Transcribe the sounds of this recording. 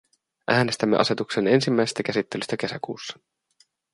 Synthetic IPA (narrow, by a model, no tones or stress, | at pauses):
ʔæːne̞st̪æmːḛɑ̰se̞t̪ukse̞ne̞nsimːæjse̥st̪ækæsit̪ːe̞lyst̪æke̞sæ̰kuːsːɑ̥